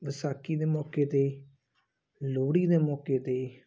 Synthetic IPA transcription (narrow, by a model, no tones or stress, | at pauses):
ʋəsaːkiːd̪eːmɔːkeːt̪eː | loːɽiːd̪eːmɔːkeːt̪eː